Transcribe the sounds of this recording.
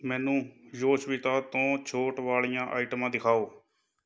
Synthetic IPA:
mɛ̃ːnũːjoːsʋɪt̪aːt̪õːt͡ʃʰoːʈʋaːɭijãːʔa̰ːiːʈmãːd̪ɪkʰaːoː

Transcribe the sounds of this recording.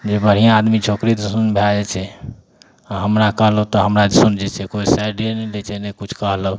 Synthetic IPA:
d͡ʒebəɽ̤ijãːd̪mit͡ʃʰokɾid̪əsunbʱelad͡ʒɛt͡ʃʰɛ | aɦəmɾakəɦləɦut̪ɔɦəmɾad̪sund͡ʒɛt͡ʃʰɛkoisajɖeɾnɛlɛt͡ʃʰɛnɛkut͡ʃʰkəɦləɦu

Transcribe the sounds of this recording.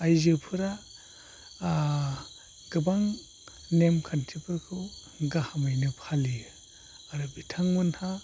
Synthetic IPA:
ajzɯpʰɯɾa | ɡɯbaŋ | nemkʰantʰipʰɯɾkʰɯw | ɡahamajnɯpʰalijɯ | aɾɯbitʰaŋmɯnha

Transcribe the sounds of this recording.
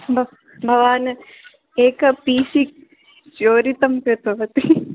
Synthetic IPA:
bʱ | bʱɐʋaːn | eːkɐpiːsik̚ | t͡ʃoːɾit̪ɐmkɾɨt̪ɐʋɐt̪i

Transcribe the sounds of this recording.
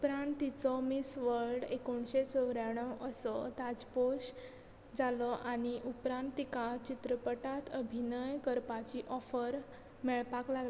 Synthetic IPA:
upɾãnt̪ːit͡sɔmisʋəɾɽekoɳɕet͡sɔwɾjaɽ̃ɔʋʔəsɔt̪ad͡zpoɕ | d͡zalɔʔaɽ̃iʔupɾãnt̪ːikat͡ɕit̪ɾəpəʈat̪ʰəbʱinəjkəɾpat͡ɕiʔɔfəɾ | mɛɭpaklaɡl

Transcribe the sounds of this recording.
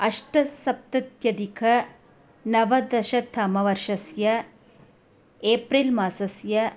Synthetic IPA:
ɐʂʈɐsɐp̚t̪ɐt̪jɐd̪ikʰɐ | nɐʋɐd̪ɐʃɐt̪ʰɐmɐʋɐɾʂɐsjɐ | eːpɾilmaːsɐsjɐ

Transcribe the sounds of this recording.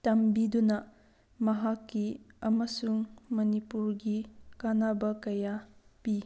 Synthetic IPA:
tɐmbidunɐ | mɐɦakːiɐmɐsuŋmɐnipuɾɡikanabɐkɐjapi

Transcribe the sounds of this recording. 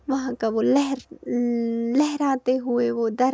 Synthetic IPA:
ʋɐɦãkaʋolɛɦɾ | lɛɦɛɾaːt̪eɦueʋod̪ɐɾ

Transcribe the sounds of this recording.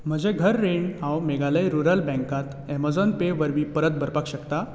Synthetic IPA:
m̤əd͡ʑeɡʱəɾːeɳɖɦãwmeɡaləjɾuɾəlbɛ̃ŋkat̪ | ɛmad͡zɔnpeʋəɾʋiːpəɾət̪̚bʱəɾpakɕəkt̪a

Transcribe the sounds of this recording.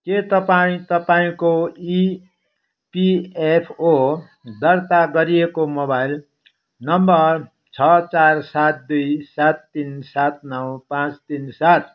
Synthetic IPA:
ket̪ʌpaĩt̪ʌpaĩkoi | piepʰo | d̪ʌrt̪aɡʌɾijekomobajl | nʌmbʌrr | t͡sʰʌt͡sarsat̪̚d̪ujsat̪ːinsat̪̚ʰnʌwpãt͡st̪insat̪̚ʰ

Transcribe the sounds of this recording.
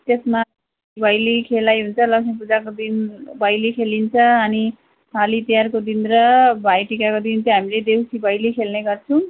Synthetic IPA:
t̪esma | ibʱʌjlikʰelajɦunt͡sʰʌlʌksʰʌpud͡zakod̪inbʱʌjlekʰelint͡sʰʌʌni | pʰalit̪ijarkod̪inɾʌbʱajʈikakod̪int̪ʌɦamiled̪ewsibʱʌjlikʰelneɡʌrt͡sʰʌw̃

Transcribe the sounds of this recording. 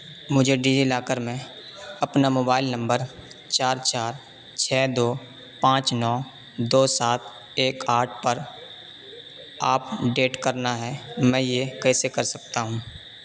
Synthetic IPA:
mʊd͡ʒʱeɖid͡ʒilaːkəɾmẽ | ɐpnamoːbaːɪlnə̃mbəɾ | t͡ʃaːɾt͡ʃaːɾ | t͡ʃʰɛːd̪oː | pãːt͡ʃnɔː | d̪oːsaːt̪̚ | eːkaːɾʈ̚ʰpəɾ | aːp̚ɖeːʈkəɾnaɦɛmɛ̃jekɛːsekɐɾsɐk̚t̪aɦũː

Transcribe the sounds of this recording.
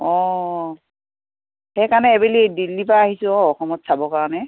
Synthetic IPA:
ɔ | xejkaɹnɛːbelidilːipaːɦisʊ̃ɔɔxɔmɔtsabɔkaɹɔnɛ

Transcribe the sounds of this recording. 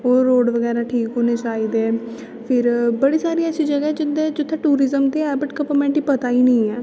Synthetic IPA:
oːɾoːɖʋəɡɛːɾaːʈʰiːkoːneːt͡ʃaːiːd̪eː | pʰɪɾbəɽiːsaːɾiəʃʰiːd͡ʒəɡɛːɛːd͡ʒɪd̪eːd͡ʒʊt̪ʰːẽːʈuːɾɪzəmt̪eːɛːbɪʈkəpəmɛ̃ːɳʈiːpət̪aːiːnəĩːɛː

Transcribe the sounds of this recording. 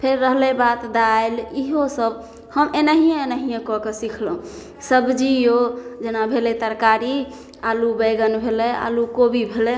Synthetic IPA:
pʰeɾːəɦlebat̪d̪aeliɦosəb | həmʔenəɦijẽenəɦijẽkɔkesikʰlə̃ | səbd͡ʒijod͡ʒenabʱelet̪əɾkaɾi | alubeɡənbʱelɛa̰lukobibʱelɛ

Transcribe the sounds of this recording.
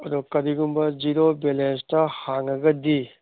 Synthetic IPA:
ɐdukɐɾiɡumbɐd͡ʒiɾobelenstɐhaŋɐɡɐdi

